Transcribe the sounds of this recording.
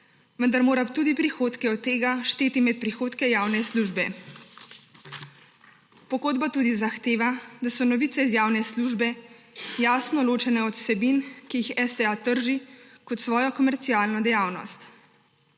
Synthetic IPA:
ʋənd̪aɾmoːɾapt̪uːd̪ipɾixoːt̪kɛɔt̪ːeːɡaʃt̪eːt̪imɛt̪̚pɾixoːt̪kɛjaːwnɛsluʒbɛ | pɔɡoːd̪bat̪uːd̪izaxt̪eːʋad̪asɔnɔʋiːt̪sɛizjaːwnɛsluːʒbɛjaːsnɔloːt͡ʃɛnɛɔt̪sɛbinkijixɛsɛat̪əɾʒikɔt̪sʋɔːjɔkɔmɛɾt̪siaːlnɔd̪ɛjaːwnɔ̰st̪

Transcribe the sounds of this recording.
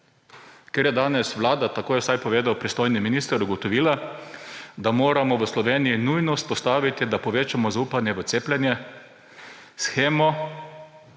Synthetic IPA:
keːɾjɛd̪aːnɛsʋlaːd̪at̪akoːjɛwsajpɔʋeːd̪awpɾist̪oːjniminiːst̪əɾuɡɔt̪ɔʋiːla | d̪amoːɾamɔʋəslɔʋeːnijinujnɔspɔst̪aːʋit̪id̪apɔʋeːt͡ʃamɔzauːpanjɛʋət̪seːplʲɛnjɛ | sxeːmɔ

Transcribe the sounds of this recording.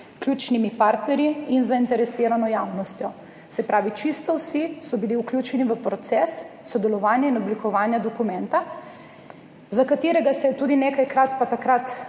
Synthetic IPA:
klʲjuːt͡ʃnimipaːɾt̪nɛɾjiinzaint̪ɛɾɛsiɾanɔjawnɔst̪jɔ | sɛpɾaːʋit͡ʃist̪ɔwsisɔbiliuklʲuːt͡ʃɛniʋəpɾɔt̪sɛsːɔd̪ɛlɔʋaːnjainɔblikɔʋaːnjad̪ɔkumɛnt̪a | zakat̪iːɾɛɡasɛjɛt̪uːd̪inekajkɾat̪pat̪akɾat̪

